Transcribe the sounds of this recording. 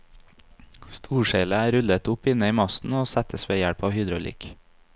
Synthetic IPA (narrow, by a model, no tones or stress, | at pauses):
st̪ʰuːʃeːləæːɾʉlət̪ʊpɪnəiːmɑst̪n̩oːsæt̪ʰəsʋeːjæɽpɑːʋhʏd̪ɾʊlʔḭːk